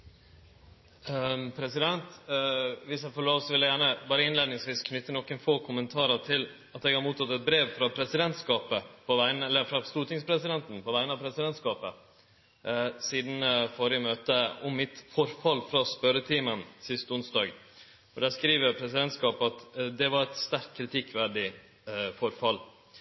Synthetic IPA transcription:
pʰɾɛsɪd̪ɛnt̪ | ʋɪsjæɪfɔɭoːʋəsɔʋɪləjæːɳəbɑːɾəɪnleːd̪nɪŋsʋiːskʰnʏt̪ːənɔkːənfoːkʰʊmənt̪ʰɑːɾəʈ̪ʰɪl | ɑt̪ɛɡhɑɾmuːt̪ʰɑt̪ːɛt̪̚bɾeːʋfɾɑːpʰɾɛsɪd̪ɛnt̪skɑːpəpʰɔʋæɪnəɛlːəɾfɾɑst̪uːt̪ɪŋspʰɾɛsɪd̪ɛnt̪n̩pʰɔʋæɪnəɑʋpʰɾɛsɪd̪ɛnt̪skɑːpə | siːd̪n̩fɔɾɪəmøːt̪əɔmːɪt̪fɔɾfɑlfɾɑspœɾət̪ʰiːmənsɪst̪ʊnsd̪ɑːɡ | ɔɖ̪æːskɾiːʋəɾpʰɾɛsɪd̪ɛnt̪skɑːpɑt̪d̪ɛʋɑɾɛt̪st̪æɾkt̪̚kʰɾɪt̪ʰɪkːʋæɖɪ | fɔɾfɑlː

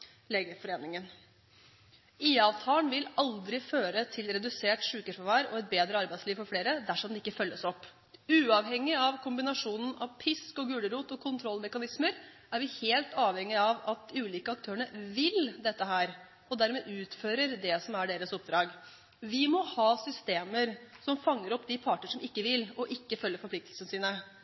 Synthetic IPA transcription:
leːɡəfɔɾeːnɪŋən | iːɑːʋt̪ʰɑːənʋɪlɑld̪ɾɪføːɾət̪ʰɪlɾɛd̪ʉseːʈʂʉːkəʂfɑʋæːɾɔ̰ɛt̪̚beːd̪ɾəɑɾbæɪsliːʋfɔɾfleːɾəd̪æʂɔmd̪ɛɪkːəfœlːəsɔpː | ʉːɑːʋɦɛŋːɪɑʋkʰʊmbɪnɑʂuːnən̩ʔɑʋpʰɪskɔɡʉːɽəɾuːt̪ɔkʰʊnt̪ʰɾɔlmɛkɑnɪsməɾ | æɾʋɪheːlt̪ɑːʋhɛŋːɪɑʋɑt̪ʉːliːkəɑk̚t̪ʰøːəɳəʋɪld̪ɛt̪ːəɦæːɾ | ɔd̪æɾmɛʔʉːt̪føːɾəɾd̪ɛsɔmæɖeːɾəsɔp̚d̪ɾɑːɡ | ʋɪmɔhɑːsʏst̪eːməɾsɔmfɑŋːəɾɔpːd̪ɪpʰɑːʈəɳʂɔmɪkːəʋɪlɔʔɪkːəfœlːəɾfɔɾpʰlɪkt̪lsənəsiːnə

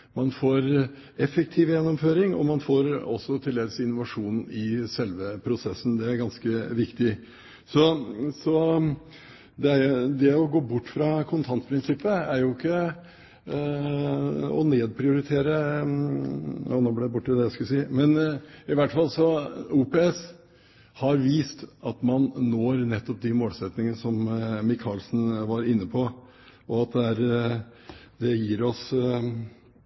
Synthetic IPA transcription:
mɑnfoːɾ | ɛfək̚t̪ʰiːʋjɛnːɔmføːɾɪŋɔ̰mɑnfoːɾɔsɔt̪ʰɪlːeːɡəsɪnʊʋɑʂuːnnn̩ɪsɛlʋəpʰɾʊsɛsːn̩d̪ɛæɾɡɑnskəʋɪkt̪ɪ | sɔsɔ | d̪ɛæɾjʊd̪ɛɔɡoːbʊʈːfɾɑkʰʊnt̪ʰɑnt̪pʰɾɪnsɪpːəæɾjʊɪkːə | ɔ̰neːd̪pʰɾɪʊɾɪt̪ʰeːɾə | ɔnoːblɛd̪ɛbʊʈːɪd̪ɛjæskʉlsiːmɛnɪʋæʈːfɑlːsɔuːpeːɛs | hɑɾʋiːst̪ɑt̪mɑnːoːɾnɛt̪ːɔp̚d̪ɪmoːlsɛt̪nɪŋənəsɔmmɪkʰɑːlsn̩ʋɑɾɪnːəpʰɔ | ʔɔɑt̪̚d̪ɛæɾ | d̪ɛjiːɾɔs

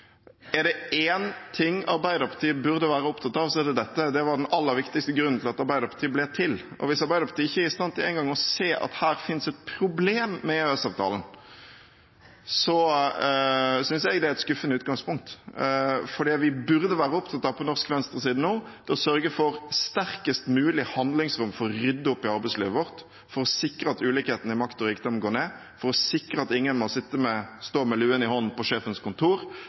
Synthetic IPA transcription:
ɛɾɖ̪ɛeːnt̪ʰɪŋːɑɾbæɪd̪əɾpʰɑt̪iːəbʉɾd̪əʋæːɾəɔpt̪ʰɑt̪ːɑʋsɔɛɾd̪ɛd̪ɛt̪ːəd̪ɛʋɑɖ̪ɛnɑlːəɾʋɪkt̪ɪkst̪əɡɾʉnːn̩t̪ɪlɑt̪ɑɾbæɪd̪əɾpʰɑt̪ʰiːəblɛːt̪ʰɪl | ʔɔ̰ʋɪsɑɾbæɪd̪əɾpʰɑ̥t̪iːɪçːəæɾɪst̪ɑnt̪ɪlæ̰ɪnɡɑŋːɔseːʔɑ̰t̪hæːɾfɪnsɛt̪̚pʰɾʊbleːmːɛøɛsɑːʋt̪ʰɑ̰ːlən | sɔ | sʏnsjɛɡd̪ɛɪt̪skʉfːənəʉːt̪̚ɡɑŋspʊŋk̚t̪ | fɔɾd̪iːʋɪbʉɾd̪əʋæːɾəɔp̚t̪ʰɑt̪ːɑpɔnɔʁskfɛnst̪ʁəsiːd̪n̩oː | d̪̥ɛɔsœɾɡəfɔɾst̪æɾkəst̪mʉːlɪhɑnd̪lɪŋsɾʊmfɔʁɾʏd̪ːəʊpːɪɑʁbɛɪslḭːʋəʋɔʁt̪ | fɔɾɔsɪkɾəɑt̪ʉːlɪkheːt̪ən̩ɪmɑkt̪ɔɾiːkd̪ɔmɡoːneː | fɔɾɔsɪkɾəɑt̪ɪŋːənmɔsɪt̪ːəmɛst̪oːmɛlʉːənɪhɔnnpɔʂeːfənskʰʊnt̪ʰuːɾ

